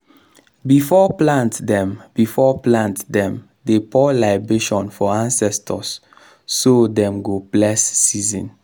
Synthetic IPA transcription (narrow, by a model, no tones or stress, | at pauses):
bifɔplãntdɛ̃mbifɔplãntdɛ̃m | depɔlaɪbeʃɔ̃nfɔãnsɛstʰɔsː | odɛ̃mɡoplɛsːizḭ̃n